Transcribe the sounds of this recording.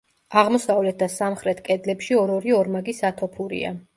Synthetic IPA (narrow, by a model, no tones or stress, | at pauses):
aʁmɔsavlɛt̪̚ʰd̪asamχɾɛt̪ʰkʼɛd̪lɛpʃiɔɾɔɾiɔɾmaɡisat̪ʰɔpʰuɾḭa̰